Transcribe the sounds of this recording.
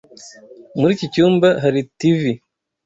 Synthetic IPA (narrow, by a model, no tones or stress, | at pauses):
muɾiːcicuːmbaɦaɾitivi